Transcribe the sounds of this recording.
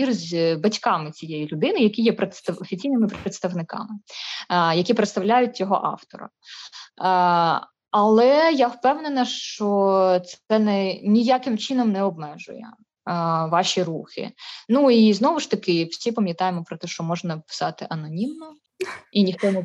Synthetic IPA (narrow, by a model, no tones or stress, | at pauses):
irzʲbɐtʲkɑmɪt͡sʲijɛjilʲʊd̪ɪnɪjɐkʲijɛpɾet̪st̪ɐɔfʲit͡sʲijnɪmɪpɾet̪st̪ɐʋnɪkɑ̰mɪ | jɐkʲipɾet̪st̪ɐwlʲajʊt̚ʲt͡sʲɔɦɔ̰ʔɑ̰wt̪ɔ̰ɾɐ̰ | ɐlˠɛjawpɛwnenɐʃt͡ʃɔt̪sɛnɛnʲijakɪmt͡ʃɪnɔmnɛɔbmɛʒʊ̰jɛ̰ | ʋɑʃʲiruxɪ̰nuiznɔʋʊʃt̪ɐkɪfsʲipɐmʲjɐt̪ɑjemɔpɾɔt̪ɛʃt͡ʃɔmɔʒnɐpɪ̥sɑt̪ɪʔɐnɔnʲimnɔ | inʲixt̪ɔnɛ